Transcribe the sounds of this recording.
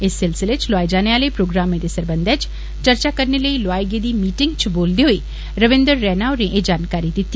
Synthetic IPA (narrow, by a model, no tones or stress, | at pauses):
ɪsːɪlsɪlet͡ʃlʊaːed͡ʒaːneaːleːpɾoːɡɾaːmẽd̪eːsəɾbənd̪ʱɛt͡ʃ | t͡ʃəɾt͡ʃaːkəɾneləiːloaːjɡed̪iːmiːʈɪŋɡt͡ʃboːld̪eːɦoiː | ɾəʋɪ̃nd̪əɾːɛːnaːʊnẽʔed͡ʒaːnkaːɾid̪ɪt̪ːiː